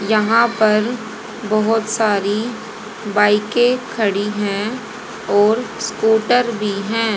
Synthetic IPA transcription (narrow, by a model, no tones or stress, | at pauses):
jɐɦãpɐɾ | bɐɦʊt̪saːɾi | baːɪkẽkʰɐɽiɦɛ̃ | ɔːɾskuːʈəɾbʱiɦɛ̃ː